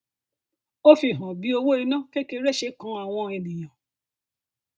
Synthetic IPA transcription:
o˦fi˧˨ɦɔ̃˨bi˨˧o˧wo˦i˧nã˦ke˦ke˧˦ɾe˦ʃe˧˦kã˧˦a˨w̃ɔ̃˧e˨nĩ˨j̃ã˨

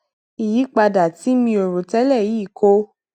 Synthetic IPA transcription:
i˨ji˨˦k͡pa˧da˨ti˨˦mĩ˧o˨ɾo˨tɛ˦lɛ˦˨ji˨˦˨kʰo˧

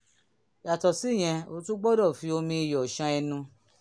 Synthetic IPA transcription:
ja˨tɔ˨si˦˨j̃ɛ̃˧o˧tũ˦ɡ͡bɔ˦dɔ˦˨fi˨˦o˧mĩ˧i˧jɔ˨ʃã˧ɛ˧nũ˧

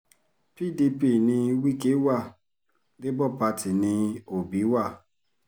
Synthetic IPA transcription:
pi˦˨di˦pi˦˨nĩ˦wi˦ke˦wa˦˨ | de˦bɔ˦pa˧ti˨ni˦o˨bi˨˦wa˦˨

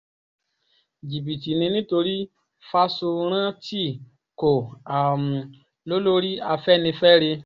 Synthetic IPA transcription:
d͡ʒi˨bi˨ti˨nĩ˧nĩ˦to˧ɾi˦ | fa˦so˧ɾ̃ã˦ti˦˨ | ko˨a˨m˨ | lo˦lo˦ɾi˦a˧fɛ˦nĩ˧fɛ˦ɾe˧

